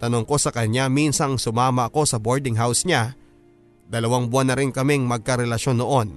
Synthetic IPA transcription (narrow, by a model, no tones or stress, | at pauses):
t̪ɐno̞ŋko̞sɐkɐɲaminsɐŋsʊmaːmɐʔɐko̞sɐbo̞ɹd̪ɪŋɦawsɲa | d̪ɐlɐwaŋbʊanːɐɾɪnkɐmiŋmɐɡ̚kɐɾɛlɐʃo̞nːoʔo̞n